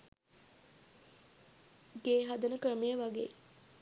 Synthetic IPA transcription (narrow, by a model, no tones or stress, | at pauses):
ɡeːɦad̪ənəkɾəmejəʋaɡḛː